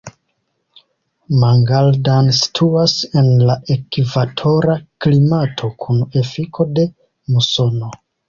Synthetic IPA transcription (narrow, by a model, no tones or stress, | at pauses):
maŋɡaldansi̥tʰuase̞nlaʔekivatʰo̞ɾaklimatʰo̞kʰune̞fikʰo̞de̞ | muso̞no